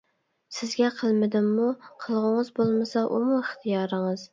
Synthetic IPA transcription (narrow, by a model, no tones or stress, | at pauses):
sɪzɡʲɛqʰɨlˠmɪd̪ɪmːʊqʰɨlˠʁʊŋɨzbolˠmɪsɑʔʊmʊɪχt̪ʰijɑɾɨŋɨz